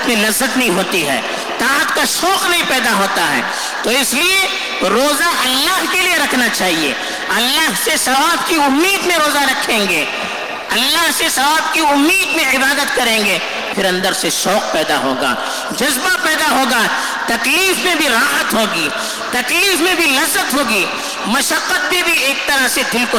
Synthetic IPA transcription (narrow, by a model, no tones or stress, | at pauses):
t̪mẽlɐzːət̪nɐɦĩɦoːt̪iɦɛ̰ː | t̪aːət̪kaʃɔːqnɐɦĩpɛːd̪aɦoːt̪aɦɛ̰ː | t̪oːɪslie | ɾoːzaʔɐlːaːɦkelieɾɐkʰnat͡ʃaːɦiḛː | ɐlːaːɦsesɐʋaːb̚kiʊmːiːd̪mẽɾoːzaɾɐkʰẽːŋɡeː | ɐlːaɦsesɐʋaːb̚kiʊmːiːd̪mẽɪbaːd̪ət̪kɐɾẽːŋɡeː | pʰɪɾɐ̃nd̪əɾseʃɔːq̚pɛːd̪aɦo̰ːɡa̰ː | d͡ʒɐzbapɛːd̪aɦoːɡa | t̪ɐkliːfmẽbʱiɾaːɦət̪ɦoːɡiː | t̪ɐkliːfmẽbʱilɐzːət̪ɦoːɡiː | mɐʃəqːət̪̚bʱĩbʱieːk̚t̪ɐɾəɦsed̪ɪlko